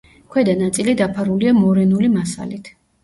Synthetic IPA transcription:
kʰwɛd̪anat̪sʼilid̪apʰaɾuliamɔɾɛnulimasa̰lit̪ʰ

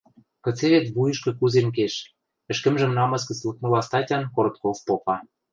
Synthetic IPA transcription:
kɤ̆t͡seβet̪βujɤ̆ʃkɤ̆kuzenk̬eʃ | ɘ̆ʃkə̆mʒə̆mnɑmɤ̆skə̆t͡slˠɤ̆kmɤ̆lɑst̪ɑtʲɑnkoɾot̪̚kofpopɑ

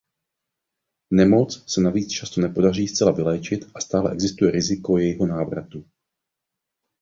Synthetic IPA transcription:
nɛmo̞t͡ssɛnaviːt͡st͡ʃast̪o̞nɛpo̞dariːst͡sɛlavɪlɛːt͡ʃɪt̪ʔast̪aːlɛ̰ʔɛɡzɪst̪ujɛɾɪzɪko̞jɛjɪɦo̞naːvɾat̪u

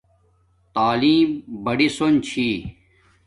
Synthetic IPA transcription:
t̪aːliːmbɐɽisont͡ɕʰiː

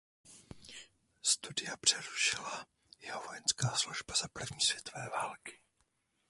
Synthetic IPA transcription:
st̪udɪjapr̝̥ɛɾuʃɪla | jɛɦovojɛnskaːsluʒbaz̥apr̩vɲiːsvjɛt̪ovɛːvaːlkɪ̥

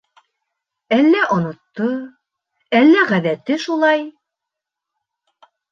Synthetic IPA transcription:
ælːæʔŏnŏt̪ːɤ | ælːæʁæðæt̪ɘʃulˠɑj

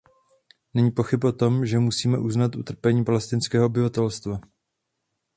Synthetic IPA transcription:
nɛɲiːpo̞xɪpʔo̞t̪o̞mʒɛmusiːmɛʔuznat̪ʔut̪r̩pɛɲiːpalɛst̪ɪnskɛːɦoobɪvat̪ɛlst̪va

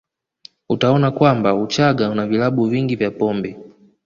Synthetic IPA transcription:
utaɔnakwambaut͡ʃaɡaunavilaɓuviŋɡivjapɔmbɛ

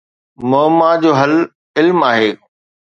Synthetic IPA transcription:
moːmad͡ʑoːɦɐl | ɪlmaːɦeː

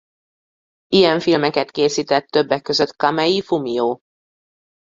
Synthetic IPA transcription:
ijɛɱfilmɛkɛt̪keːsiːt̪ɛt̪ːø̞bːɛkːø̞zø̞t̪kɑmɛjifumijoː

